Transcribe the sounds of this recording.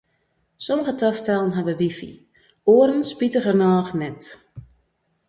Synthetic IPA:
sɔməɣətastɛlˠənɦaʋəʋifḭ | oːəɾənspitəɣərnɔːxnɛt

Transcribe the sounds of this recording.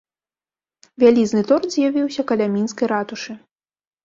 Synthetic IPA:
vʲalʲiznɨt̪ɔrd̪zʲjavʲiwsʲɐkɐlʲamʲinskɐjɾat̪uʂɨ

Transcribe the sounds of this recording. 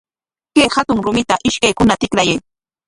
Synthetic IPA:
kejhat̪ʊŋɾʊmɪt̪aʔɪʃkajkʊnat̪ɪkɾajaj

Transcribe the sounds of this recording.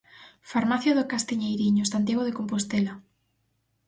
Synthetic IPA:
faɾmaθjoðokast̪iɲejɾiɲosant̪jaɣoðekompost̪ela

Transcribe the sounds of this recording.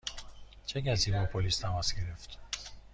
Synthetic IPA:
t͡ʃʰeɡæziːbɒpʰolist̪ʰæmasɡeɾeft̪

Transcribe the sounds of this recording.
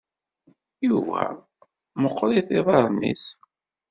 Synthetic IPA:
juvæ̰ | məqːɾiθiðˤɑɾˤnḭs

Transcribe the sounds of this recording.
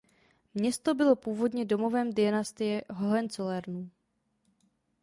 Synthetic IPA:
mɲɛst̪o̞bɪlo̞puːvo̞dɲɛdo̞mo̞vɛːmdɪjanast̪ɪjɛɦoɦɛnt͡solɛɾnu

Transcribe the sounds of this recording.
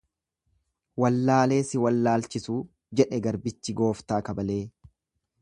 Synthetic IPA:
wɐlːaːle̞ːsɪwɐlːaːlt͡ʃɪsuː | d͡ʒɛᶑɛɡɐɾbɪt͡ʃːɪɡo̞ːft̪aːkɐbɐle̞ː

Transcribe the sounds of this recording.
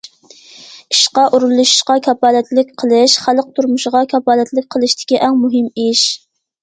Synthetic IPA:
i̥ʃqɑʔuɾulˠuʃi̥ʃqɑkʲʰɑpɑːlɛt̪lɪk̚ʲqʰəlˠɪʃχælˠəq̚t̪ʰuɾmuʃʁɑkʰʲɑpɑːlɛt̪lɪk̚ʲqʰəlˠɨʃt̪ʰɪ̥kʲiʔɛŋmuɦɪmiʃ

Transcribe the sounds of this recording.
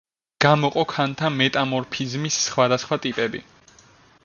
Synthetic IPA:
ɡ̥amɔqʼɔkʰant̪ʰamɛt̪ʼamɔɾpʰizmisːχwad̪asχwat̪ʼipʼɛbḭ

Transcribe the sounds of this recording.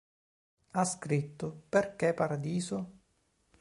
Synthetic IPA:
askɾit̪ːʊperkepːaɾad̪iːsʊ

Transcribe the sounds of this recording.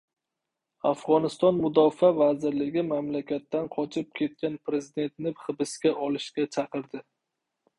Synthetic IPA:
afʁɒnɪst̪ɒnmʊd̪ɒfavazɪɾlɪɡʲɪmamlakʲʰat̪ːanqʰɒt͡ʃʰɪp̚kʲʰe̞t̪̚kʲanpʰɾe̞zɪd̪e̞nt̪nɪχɨbɪskʲaʔɒlɪʃkʲat͡ʃʰɑqɨɾd̪ɪ

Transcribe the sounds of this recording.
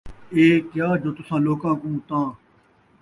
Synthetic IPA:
eːkjaːd͡ʒoːt̪ʊsãːloːkãːkũːt̪ãː

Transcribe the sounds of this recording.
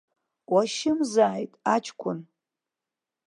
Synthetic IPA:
waʃɪmzaːjtʼat͡ʃʰʼkʷʰʼʊn

